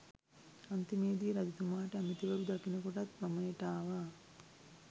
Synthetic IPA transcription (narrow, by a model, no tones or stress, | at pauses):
ɐnt̪imeːd̪iɾɐd̪it̪umaːʈeɐmit̪iʋɐɾud̪ɐkinɐkoʈɐt̪bɐmɐjeʈaːʋaː